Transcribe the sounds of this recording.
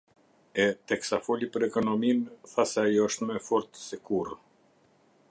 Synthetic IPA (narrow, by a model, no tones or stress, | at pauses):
ɛt̪ɛksafɔlipəɾɛkɔnɔminθasɛajɔəʃt̪mɛfɔɾt̪sɛkur